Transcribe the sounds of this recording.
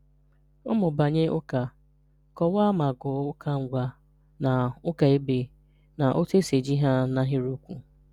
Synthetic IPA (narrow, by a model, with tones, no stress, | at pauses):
ʊ˦mʊ˨ba˨ɲe˦ʔʊ˦ka˨ | kɔ˨wa˦ma˨ɡʊ˨ʊ˦kʰa˦ŋ̩˨ɡʷa˦ | na˨ʊ˦ka˨e˦be˨ | na˨ʔo˦te˦se˨d͡ʒi˦ɦa˦na˦ɦɪ˦ɾu˦kʷu˨